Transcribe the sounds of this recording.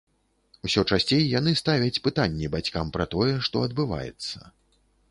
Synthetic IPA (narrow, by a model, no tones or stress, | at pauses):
usʲɔt͡ʂasʲt͡sʲejːanɨst̪avʲɐt͡sʲpɨt̪anʲːɛbat͡sʲkampɾɐt̪ɔjɛʂt̪ɔɐd̪̚bɨva̰jɛ̰t̪sːɐ̥